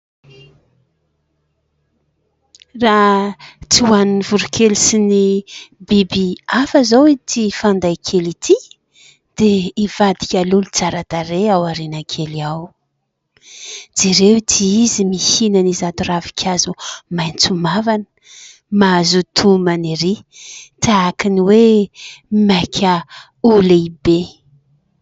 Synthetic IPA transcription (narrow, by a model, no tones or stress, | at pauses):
ra | t͡siwaninivuɾukʲʰelisinibibiafəzowit̪ʰifand̪ajkʰelit̪ʰi | d̪̥eiv̥ad̪ikʲalulut͡saɾat̪aɾeawaɾenakʰeliaw | d͡ziɾewt̪ʰiizimisinənizat̪uravi̥kʲʰazumajnt͡sumavanə̥ | mazut̪ʰumaniɾit̪aakiniwe | makʲʰə | ulibe